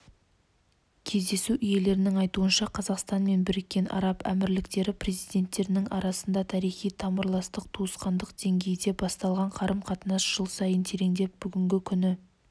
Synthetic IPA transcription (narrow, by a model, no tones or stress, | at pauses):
kʲʰe̞zd̪e̞suʔʏje̞le̞ɾɪnɪŋɑjt̪uənʃɑqʰɑzɑqst̪ɑnme̞nbɪɾɪkʲːe̞nʔɑ̰ɾɑpæ̰mɪɾlɪkt̪e̞ɾɪpre̞zijd̪ʲe̞nt̪ːe̞ɾɪnɪŋɑɾɑsənd̪ɑt̪ʰɑɾijχijt̪ʰɑməɾlˠɑst̪əq̚t̪ʰuəsqɑnd̪əq̚d̪̥e̞ŋɡʲe̞jd̪e̞bɑst̪ɑlˠʁɑɴqʰɑɾəmqʰɑt̪ənɑsʒ̥əlˠsɑjənt̪ʰe̞ɾe̞ŋd̪e̞p̚b̥ʏɡʲɪŋɡʲɪkʲʰʏnɪ